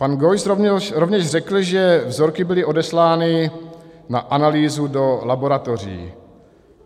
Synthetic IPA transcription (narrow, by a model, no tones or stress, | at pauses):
panɡojsɾovɾovɲɛʒrɛkl̩ʒɛvzoɾkɪbɪlɪʔo̞dɛslaːnɪ | naʔanaliːzudo̞labo̞ɾat̪or̝ḭː